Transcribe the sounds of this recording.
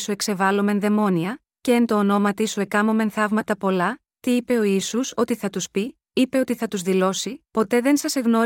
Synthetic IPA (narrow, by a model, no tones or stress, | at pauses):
sue̞kse̞vɐlo̞me̞nðe̞mo̞niɐ | ceːnt̪o̞ːno̞mɐt̪isue̞kɐmo̞me̞nθɐvmɐt̪ɐpo̞lɐ | t̪iipe̞o̞isuso̞t̪iθɐt̪uspi | ipe̞o̞t̪iθɐt̪uzðilo̞sipo̞t̪e̞ðe̞nsɐse̞ɣno̞